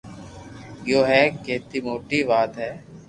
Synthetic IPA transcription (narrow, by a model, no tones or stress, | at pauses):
joːɦɛːkeːt̪iːmoːʈiːʋaːd̪ɦɛː